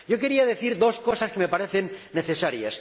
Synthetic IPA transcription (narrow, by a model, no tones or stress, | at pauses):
ɟ͡ʝok̬e̞ɾiaðe̞θiɾd̪o̞skosaskeme̞paɾeθenːeθesaɾjas